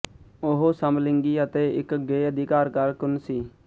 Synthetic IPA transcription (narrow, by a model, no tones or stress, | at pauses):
oɦoːsəmlɪ̃ŋɡiːət̪eːɪ̰kɡeːəd̪ʱɪkaːɾkəɾkʊnsiː